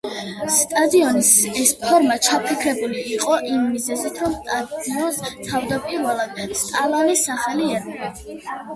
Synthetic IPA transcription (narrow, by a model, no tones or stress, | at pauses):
st̪ʼad̪iɔnisɛspʰɔɾmat͡ʃʰapʰikʰɾɛbuliːqʼɔʔimːizɛzit̪ʰɾɔmst̪ʼad̪iɔnst̪ʰavd̪apʼiɾvɛlˠad̪̥st̪ʼalˠanisaχaliɛɾi